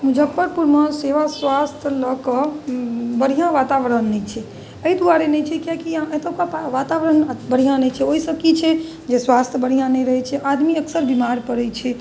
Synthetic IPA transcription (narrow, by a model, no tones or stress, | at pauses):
mud͡ʒʱəkpːəɾpuɾməseʋaswast̪ʰjələkə | bəɽ̤ijãʋat̪aʋəɾənːɛt͡ʃʰɛ | əid̪uaɾenɛt͡ʃʰɛkjakiãʔet̪əkapaʋat̪aʋəɾənbəɽ̤ijãnɛt͡ʃʰɛoɦisəb̚kit͡ʃʰɛ | d͡ʒeswast̪ʰjəbəɽ̤ijãnɛɾəɦɛt͡ʃʰɛʔad̪miəksəɾbimaɾpəɾɛt͡ʃʰɛ